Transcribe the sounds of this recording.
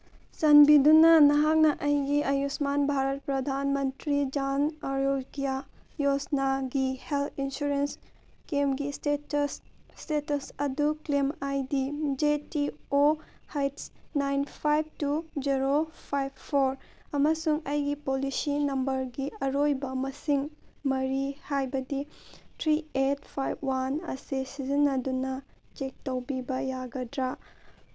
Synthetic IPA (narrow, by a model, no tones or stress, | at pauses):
sɐnbidunɐnɐɦak̚nɐʔɐjɡiɐjusmanbʱaɾɐt̚pɾɐd̪ʱanmɐntɾid͡ʒanɐɾoɡijajosnaɡihelt̪ʰinsuɾens | kemɡissstetɐsɐduklemajdid͡ʒetiohajtsnajnpʰajb̚tud͡ʒiɾopʰajb̚pʰoɾ | ɐmɐsuŋɐjɡipolisinɐmbɐɾɡiɐɾojbɐmɐsiŋmɐɾihajbɐditʰɾiet̚pʰajb̚wanɐ̰sesizinːɐdunɐ | t͡ʃek̚tɐwbibɐjaɡɐdɾa